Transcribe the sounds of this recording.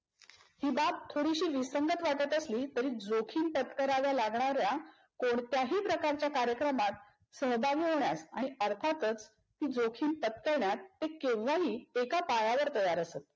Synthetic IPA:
hiːbat̪̚t̪ʰoɽiɕiːʋisəŋɡət̪ʋaʈət̪əsliːt̪əɾiːd͡zokʰiːnpət̪kəɾaʋjalaɡɳaɾja | koɳt̪jaɦiːpɾəkaɾt͡ɕjakaɾjəkɾəmat̪̚ | səɦbʱaɡiːɦoɳjasãiəɾt̪ʰat̪ət͡s | t̪iːd͡zokʰiːnpət̪kəɾɳjat̪ːekẽʋʋaɦiːekapajaʋəɾt̪əjaɾəsət̪̚

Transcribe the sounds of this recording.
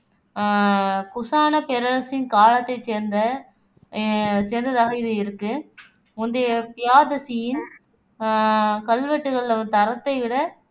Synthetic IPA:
kʊsaːnɐpɛɾɐlɐsɪnkaːɭɐt̪ːɐɪt͡ʃeːɾnd̪ɐ | seːɾnd̪ɐðaːɣɐɪðɯɪɾɯkːɯ | ʊnd̪epɪjaːd̪ɐsɪjɪn | kɐlʋɐʈːɯɣɐɭlɐt̪ɐɾɐt̪ːɐɪʋɪɽɐ

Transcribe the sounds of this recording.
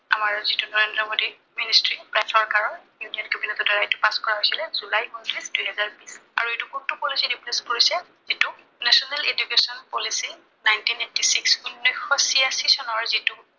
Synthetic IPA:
amaɹzitunɔɹendɹɔmodi | ministɹipɹajtʰɔɹkaɹɔnjunijɔnkɛbinɛtɔdɔɹajtʊ̥paskɔɹaɦojsilɛzulajkɔntɹisd̥ujɦɛzaɹbisa̰ɹuetukutupolisidipleskoɹisɛ | zitu | nɛsɔnɛled͡ʒukesɔnpolisi | najntinetisiksunːɔjxːɔsiasisɔnɔɹzitu

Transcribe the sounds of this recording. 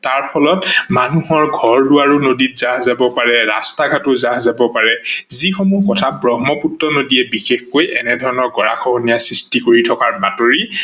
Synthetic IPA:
taɹpʰɔlɔtmanuɦɔɹɡʱɔɹdʊaɹunoditzaɦzabɔpaɹɛɹa̰staɡʱatʊzaɦzabɔpaɹɛzixɔmukɔtʰabɹɔɦmɔputɹɔnodiɛbixexkojʔɛnɛdʱɔɹɔnɔɹɡɔɹa̰kʰɔɦɔnijasɹistikoɹitʰɔkaɹbatoɹi

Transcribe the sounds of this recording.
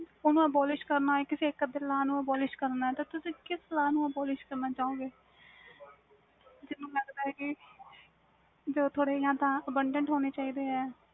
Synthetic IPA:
ʊnũːəbɔːlɪʃkəɾnaɛːkɪseːkːəd̪eːlaːnũːəbɔːlɪʃkəɾnaːɛːt̪aːt̪ʊsĩːkɪslaːnũːəbɔːlɪʃkəɾnaːt͡ʃaːõːɡeː | d͡ʒɪnːũːləɡd̪aːɦɛːkɪ | d͡ʒoːt̪ʰoːɽeːjãːt̪ãːəbəɳɖəɳʈɦoːneːt͡ʃaːiːd̪eːɦɛː

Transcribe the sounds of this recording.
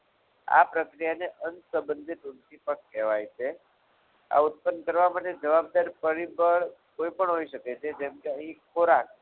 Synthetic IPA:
a̰pɾəkɾijaneʔənsəbənd̪ʱit̪unt̪ʰipəɳkɛʋajt͡ʃʰe | a̰ʊt̪̚pənkəɾʋamaʈed͡ʒəʋab̚d̪aɾpəɾibəɭkoipəɳɦoiʃəket͡ʃʰed͡ʒɛmkeəɦĩkʰoɾak

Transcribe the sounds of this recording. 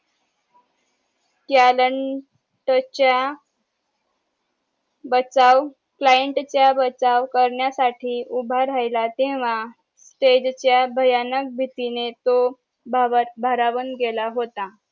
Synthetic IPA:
kjaləɳ | ʈt͡ɕja | bət͡saʋ | klajəɳʈt͡ɕjabət͡saʋkəɾɳjasaʈʰiːʔubʱaɾajlat̪eʋ̤a | sʈed͡ʑt͡ɕjabʱəjanək̚bʱit̪inet̪o | bbʱəɾaʋənɡelaɦot̪a

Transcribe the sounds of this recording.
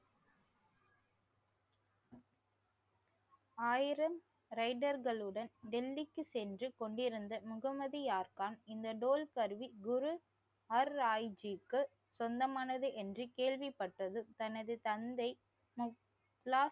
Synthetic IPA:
aːjɪɾɐm | ɾɐɪɖɐɾɣɐɭɯɽɐnɖɛlːɪkːɯsɛndrɯkɔɳɖɪɾɯnd̪ɐmʊɣɐmɐðijaːɾkaːnɪnd̪ɐɖoːlkɐɾʋiɡʊɾu | ɐɾaːɪd͡ʒikːɯ | sɔnd̪ɐmaːnɐðɯʔɛndrɯkeːɭʋipːɐʈrɐðɯt̪ɐnɐðɯt̪ɐnd̪ɐɪ | mʊ | plaː

